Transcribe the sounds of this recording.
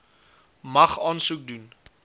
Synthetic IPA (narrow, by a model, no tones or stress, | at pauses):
mɐχɑːnsuk̚dun